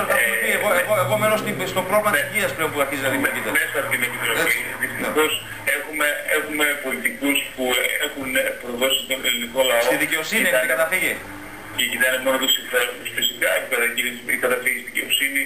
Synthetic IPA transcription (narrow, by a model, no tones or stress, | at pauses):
t̪ɐmepieɣoeɣoepomenost̪ist̪o̞pɾolimɐt̪nisiciɐspleo̞mpuɐɾçizinɐlimkit̪ɐmesɐpt̪inepit̪ɾoðpiðist̪ixo̞s | exume̞exume̞po̞lit̪ikuspuḛxunpɾoðo̞sit̪oneliniko̞lɐsot̪iðice̞o̞sinieekɐt̪ɐfiʝe | cecit̪ɐinemo̞not̪usinfeɾt̪usfisikɐepipeðɐcisḭkɐt̪ɐfiʝisiðiceo̞sini